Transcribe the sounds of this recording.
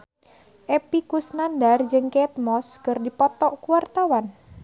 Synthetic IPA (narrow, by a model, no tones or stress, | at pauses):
ʔepikusnandard͡ʒəŋket̪̚mɔskərdipɔt̪ɔʔkuwart̪awan